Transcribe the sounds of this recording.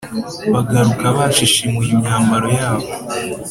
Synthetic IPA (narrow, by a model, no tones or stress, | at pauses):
βaɡaɾukaβaːʃiʃimejimɲaːmbaɾo̞jaːβo